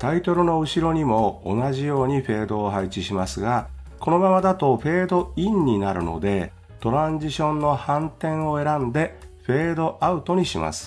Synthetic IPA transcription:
t̪ait̪o̞ɾɯ̟no̞ɯ̟ɕiɾo̞ɲ̟imo̞̰ːnaʑijo̞ːɲ̟iɸe̞ːd̪o̞ːɦait͡ɕiɕimasɨɡa | ko̞no̞mamad̪at̪o̞ɸe̞ːd̪o̞ĩɲ̟ːinaɾɯ̟̰no̞̰d̪e̞ | t̪o̞ɾãɲd͡ʑiɕõ̞nːo̞hãnt̪ẽ̞ɰ̃o̞e̞ɾãnd̪e̞ɸe̞ːd̪o̞ʔaɯ̟t̪o̞ɲ̟iɕima̰sɨ̥

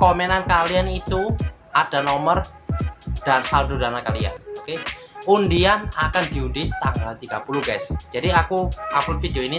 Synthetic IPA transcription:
komɛnankalianit̪uʔad̥anomər | d̥ansaldudanakalia̰noke | undianakandiudɪt̪ːaŋɡalt̪iɡ̥apuluhɡajsd͡ʒadiakuaputfideoini

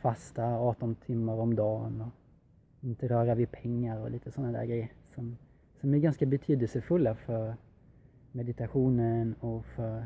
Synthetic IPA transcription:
fast̪aɑːʈɔnt̪ʰɪmːaɾɔmd̪ɑːnɔ | ɪnt̪əɾœːɾavɪpʰɛŋːaɾɔ̰lʔiːt̪əsɔnːad̪æ̰ːɾɡɾɛjːəɾsɔm | sɔmæɾɡanskabɛt̪ʰyːd̪əlsəfɵlːafœɾ | mɛd̪ɪt̪aɧuːnənɔfœɾ

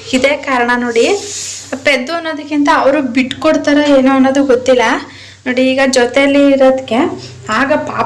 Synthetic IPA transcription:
id̪e̞ːkaːɾɐɳɐno̞ːɽi | ped̪ːuɐnːoːd̪ɐkːint̪ɐːʋɐɾubiʈːkoɽt̪aɾeeːnuɐnːoːd̪uɡot̪ːilːɐ | no̞ːɽiːɡɐd͡ʒɔt̪eɐlːiːɾoːd̪kːe̞ | aːɡɐpaː

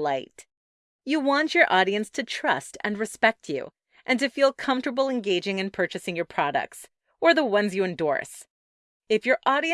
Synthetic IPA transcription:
aɪt | jɨwɑ̃nt͡ʃə˞ʔɔɾiɨ̃nstʰɨtʰɹ̥ʌ̰stɨ̰̃nɹɨspɛk̚t͡ʃʰʉ̰ | ʔɨ̃ntɨfilˠkʰʌ̃ɱftə˞bl̩ˠɨ̃nɡeɪd͡ʒɪ̃ŋɨ̃npʰɜ˞t͡ʃɨsɪ̃ŋjə˞pʰɹ̥ɑɾɨ̰k̚ts | ə˞ðəwʌ̃nzjɨɨ̃ndɔ̰ɹs | ɨfjə˞ʔɔɾiɨ̃

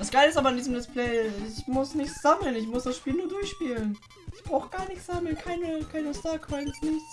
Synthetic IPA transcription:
d̥asɡ̥aɪləɪstʔaːbɐɪndiːzəmdɪspl̥ɛɪɪçmʊsnɪçtz̥aml̩nɪçmʊsd̥asʃpiːlnuːɐdʊɐçʃpiːlən | ɪçb̥ʁaʊxəɡ̥aːɐnɪçtsz̥aml̩kʰaɪnəkʰaɪnəstaɐkʰɔɪnsnɪmt

